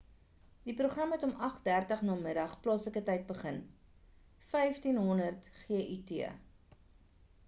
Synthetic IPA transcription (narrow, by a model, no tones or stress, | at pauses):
d̥ipɾuχrɐmɛtɔmʔɐχdærtəχnɑːməɾɐχplɑːsləkətɛjt̚bəχən | fɛjftinɦɔnərtχiəʔytiə